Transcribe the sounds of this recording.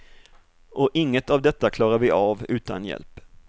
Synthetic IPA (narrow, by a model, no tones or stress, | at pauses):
ʔɔʔɪŋːət̪avd̪ɛt̪ːakʰlɑːɾaɾvɪʔavʉ̟ːt̪ʰa̰njɛ̰lp